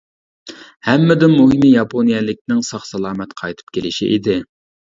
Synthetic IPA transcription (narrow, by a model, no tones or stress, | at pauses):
hɛmːɪd̪ɪmuɦɨmijɑpʰonijɛlɪk̚ʲnɪŋsɑχsɑlˠɑːmɛt̪qʰɑjt̪ʰɨ̥p̚kʲelɪʃḭʔɪd̪ɪ